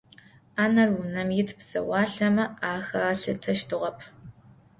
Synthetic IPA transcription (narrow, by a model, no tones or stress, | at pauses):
aːnɐrwʊnɐmjɪtʰpsɐ̰wɑːɬɐmɐaːxɐaːɬɐtʰɐʃtʰɨʁɐpʰ